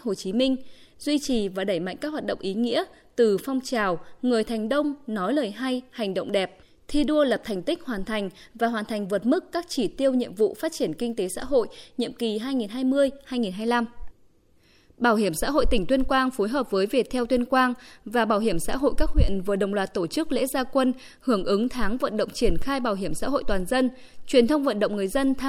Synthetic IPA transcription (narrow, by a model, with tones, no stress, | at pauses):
ho˨˩t͡ɕi˨˦mï˧ŋ̟ | zwi˧t͡ɕi˨˩vaː˨˩ɗə˧˩jma̰˧˨jŋkaː˦˥k̚hwaː˨˩t̚ɗə̰˧˨ŋ͡mʔi˨˦ŋḭ˧˥ə | t̪ɨ˨˩fɔ˧wŋ͡mt͡ɕaː˨˩wŋɨ˨˩əjt̪ʰa˨˩jŋ̟ɗə˧wŋ͡mnɔ˨˦jləː˨˩jɦa˧jha˨˩jŋ̟ɗə̰˧˨wŋ͡mɗɛ˨˩p̚ | t̪ʰi˧ɗu˧ələ˨˩p̚t̪ʰa˨˩jŋ̟t̪ï˦˥k̟̚hwaː˨˩nt̪ʰa˨˩jŋ̟ | vaː˨˩ɦwaː˨˩nt̪ʰjŋ̟vəː˨˩t̚mɨ˦˥kːaː˦˥k̚t͡ɕi˧˩t̪i˧əwɲḭ˧əmvṵ˧˨faː˦˥t̚t͡ɕi˧˩ənkï˧ŋ̟t̪e˨˦sa̰ː˧˥ɦo̰˧˨jɲḭ˧˨əmki˨˩ɦaː˧jŋi˨˩nɦaː˧jmɨ˧əjhaː˧jŋi˨˩nɦaː˧jla˧m | ɓaː˧˩whi˧˩əmsa̰ː˧˥ɦo̰˧˨jt̪ï˧˩ŋt̪wi˧ənkwaː˧ŋfo˨˦jɦəː˨˩p̚vəː˨˦jvi˨˩ək̚t̪ʰɛ˧wt̪wənkwaː˧nvaː˨˩ɓaː˧˩wɦi˧˩əmsa̰ː˧˥ɦo̰˧˨jkaː˦˥k̚hwḭ˧˨ənvəː˨˩ɗə̰˧˨ŋ͡mlwaː˨˩t̚t̪o˧˩t͡ɕɨ˦˥k̚lḛ˧˥zaː˧kwə˧n | hɨ˧˩əŋʔɨ˨˦ŋt̪ʰaː˨˦ŋvə̰˧˨nɗə̰˧˨wŋ͡mt͡ɕi˧˩ənxaː˧jɓaː˧˩wɦi˧˩əmsa̰ː˧˥ɦo̰˧˨jt̪waː˨˩nzə˧n | t͡ɕwi˨˩ənt̪ʰə˧wŋ͡mvə̰˧˨nɗə̰˧˨wŋ͡mŋɨ˨˩əjzə˧nt̪ʰa˧